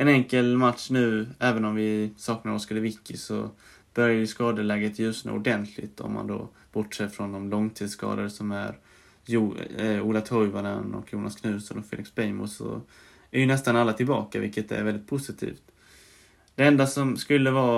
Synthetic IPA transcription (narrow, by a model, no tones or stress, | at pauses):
ɛnɛŋkəlmat̪ʂnʉ̟ːɛːvənɔmvɪsɑːknaɾɔskad̪ɛvɪkːɪsɔ̰ | b̥œɾjajʏskɑːd̪əlɛːɡat̪ʰjʉ̟ːsna̰ʊɖɛnt̪ʰlɪ̰t̪ɔ̰mːa̰nd̪o̰ | b̥ɔʈːʂeːfɾɔnd̪ɔmlɔŋt̪ʰiːd̪skɑ̰ːd̪aɾəsɔmæɾ | juːlat̪ʰɔjvananɔ̰kjuːnʔaskʰnʉ̟ːsɔnɔkfɛ̰ːlɪksbɛjmʊsɔ̰ | æɾjɵnɛst̪analːat̪ʰɪlbɑːkavɪlkːət̪ɛ̰ɾvɛld̪ɪt̪̚pʰʊsɪt̪ʰḭːft̪ | d̪̥ɛɛnd̪asɔmskɵlːəvɑː